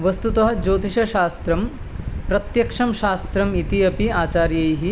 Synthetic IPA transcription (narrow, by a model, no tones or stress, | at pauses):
ʋɐst̪ut̪ɐɦɐd͡ʒoːt̪iʃɐʃaːst̪ɾɐm | pɾɐt̪jɐkʂɐmʃaːst̪ɾɐmit̪iɐpiaːt͡ʃaːɾjɐjɦi